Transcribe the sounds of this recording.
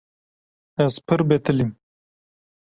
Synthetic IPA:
ɐzpʰɨɾbet̪ɨlim

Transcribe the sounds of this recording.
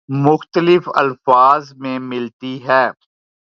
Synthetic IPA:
mʊxt̪əlɪfɐ̰lfaːzmẽmɪlt̪iɦɛː

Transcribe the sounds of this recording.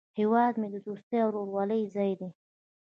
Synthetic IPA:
hewɑd̪med̪əd̪ust̪əjawɾoɾwɑləjzɑjd̪e

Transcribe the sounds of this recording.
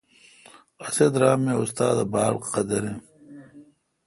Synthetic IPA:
ɐsed̪ɾaːmiust̪aːd̪abaːlqɐd̪ɐɾi

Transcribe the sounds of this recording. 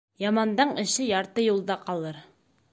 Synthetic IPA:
jɑmɑnd̪ɑɴɘ̆ʃɘjɑɾt̪ɤjulˠd̪ɑqɑlˠɤɾ

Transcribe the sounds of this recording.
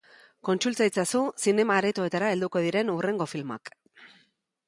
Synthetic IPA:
ko̞nt͡sult͡sajt͡sasusine̞maːɾet̪oe̞t̪aɾae̞ld̪uko̞ð̞iɾe̞nure̞ŋɡo̞filma̰k

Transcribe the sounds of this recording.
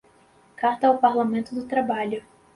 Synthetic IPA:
kaɾt̪ɐwpaɾlamẽnt̪ʊd̪ʊt̪ɾabaʎʊ

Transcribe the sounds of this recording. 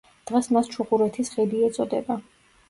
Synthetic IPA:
d̪̥ʁɛsmast͡ʃʰuχʼuɾɛt̪ʰisʁɛd̪iɛt̪sʼɔd̪ɛba

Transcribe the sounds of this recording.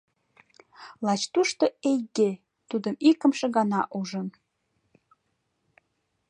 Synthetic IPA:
lɑt͡ɕt̪uʃt̪oejɡe | t̪ud̪əmikə̆mʃĕɣɑnɑʔuʒən

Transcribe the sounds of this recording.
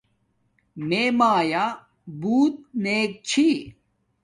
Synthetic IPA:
meːmaːja | buːt̪̚neːk̚t͡ɕʰi

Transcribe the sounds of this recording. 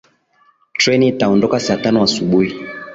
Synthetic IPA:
tɹɛnitaɔndɔkasatanwasuɓui

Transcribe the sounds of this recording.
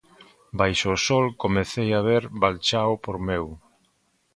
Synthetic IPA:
bajʃoːsɔlkomeθejaβeɾβalt͡ʃaopoɾmew

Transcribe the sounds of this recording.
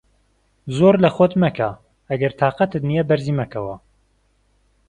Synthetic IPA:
zoːɾlɐxot̪mɐkʰa | ɐɡɐɾt̪ʰaːqɐt̪ɨt̪nijɛbɐɾziːmɐkʰɐwɐ

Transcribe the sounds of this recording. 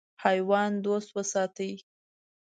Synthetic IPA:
hɑjwɑnd̪ost̪wəsɑt̪əj

